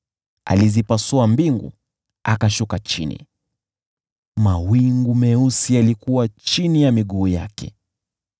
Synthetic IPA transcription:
a̰lizipasuambiŋɡṵ | akaʃukat͡ʃḭnḭ | mawiŋɡumɛusialikuwat͡ʃinijamiɠuːja̰kɛ̰

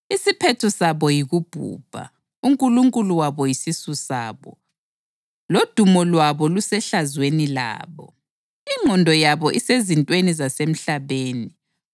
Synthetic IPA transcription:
isipʰɛtʰɔsaβɔjiɣub̥ʱṵːb̥ʱa̰ | uŋkʼuluŋkʼuluwaβɔjisisusaːβɔ | lod̥ʱumɔlwaβɔlusɛɬazwenila̰ːβɔ | iŋ͡ǃʱɔndʱɔjaβɔʔisezintʼwenizasem̩ɬaβeːni

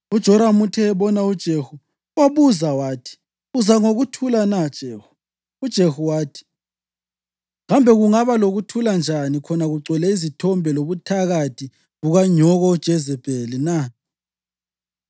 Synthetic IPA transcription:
ud̥ʒ̥ʱɔɾamutʰɛːβɔnaud̥ʒ̥ʱehu | waβuzawaːtʰi̥ | uzaŋoɣutʰulanad̥ʒ̥ʱeːxu̥ | ud̥ʒ̥ʱehuwaːtʰi̥ | ɣambʱɛɣuŋaβaloɣutʰuland͡ʒʱanikʰɔnaɣuɡ͡ǀʱɛlɛizitʰɔmbʱɛloβutʰaɣatʰi | ɣuɣaɲɔɣɔud̥ʒ̥ʱɛzɛb̥ʱelina

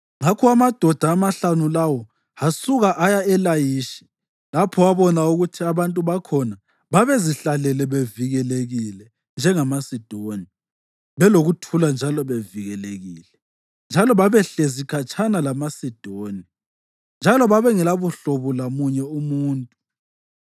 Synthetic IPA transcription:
ŋakʰɔamad̥ʱɔd̥ʱaːmaɬanulawɔ | hasuɣaʔajaɛlajiʃi̥ | lapʰɔwaβɔnauɣutʰiaβantʼuβakʰɔna | βaβeziɬalɛlɛβeviɣɛleɣilɛ | nd͡ʒʱɛŋamasid̥ʱoni | βɛloɣutʰuland͡ʒʱalɔβeviɣɛleɣiːlɛ | nd͡ʒʱalɔβaβɛɬezikʰat͡ʃʰʼanalamasid̥ʱoːni | nd͡ʒʱalɔβaβɛŋɛlaβuɬɔβɔlamuɲɛumuːntʼu

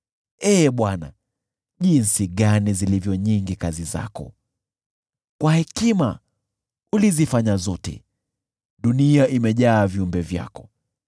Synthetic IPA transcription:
ɛːɓwana | ʄinsiɠanizilivjɔɲiŋɡikaziza̰kɔ̰ | kwahɛkima | ulizifaɲazɔtɛ̰ | ɗuniaʔimɛʄaːviumbɛvja̰kɔ̥

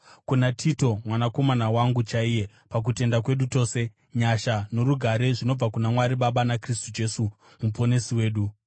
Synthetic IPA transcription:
kunatʰito̞mwanako̞manawaŋɡut͡ʃaije̞ | pak̬ute̞ndak̬we̞ɗuto̞ːse̞ | ɲaʃano̞ɾuɡʱaɾe̞ʐino̞b͡vakunamwaɾiɓaɓanakristud͡ʒe̞su | mupo̞ne̞siwe̞ːɗu

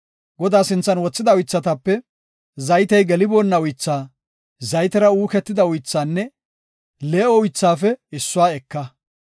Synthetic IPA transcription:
ɡɔd̪aːsɪnt͡sːɐnwɔt͡sːɪd̪ɐʊjt͡sːɐt̪ɐpːɛ | zɐjt̪ɛjɡɛlɪboːnːɐʊjt͡sːaː | zɐjt̪ɛɾɐuːkɛt̪ːɪd̪ɐʊjt͡sːaːnːɛ | leːɔʊjt͡sːaːfɛɪsːʊwaːɛkːɐ

